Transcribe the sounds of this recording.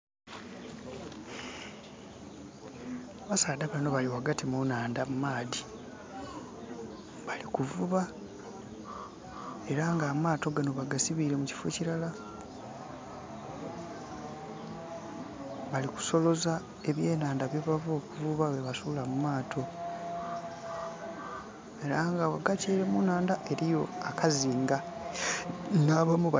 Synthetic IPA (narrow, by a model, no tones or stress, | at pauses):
aβasaːdaβano̞βaliwaɡatimunaːndamumaːdi | βalikuvuβa | e̞ɾaŋɡaːmaːto̞ɡanoβaɡasiβiɾe̞muci̥fo̰ciɾala | βaliku̥so̞lo̞za | e̞βje̞ːnaːndaβjeβavo̞ːkuvuβaβeβasulamumaːtʰo̞ | e̞ɾaŋɡaβaɡaceːɾe̞munaːndaʔe̞ɾijo̞akʰaziːŋɡa | naβamu